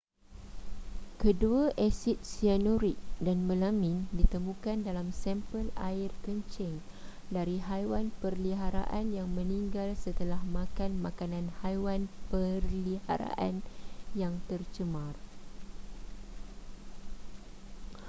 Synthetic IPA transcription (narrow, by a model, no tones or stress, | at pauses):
kəduaʔɛsit̪̚sianuɾik̪̚danmə̃lamĩndit̪əmũkandalamsɛmpəla̰irkəɲt͡ʃɪŋ | daɾiɦajwanpərliɦaɾa̰ʔanjaŋmə̃nĩŋɡalsət̪əlahmãkanmakanãnhajwanpərlihaɾa̰ʔanjaŋt̪ərt͡ʃəmar